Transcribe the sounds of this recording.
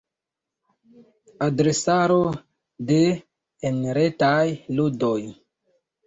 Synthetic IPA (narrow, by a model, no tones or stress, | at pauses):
adɾesaɾo | deː | nɾetajludoj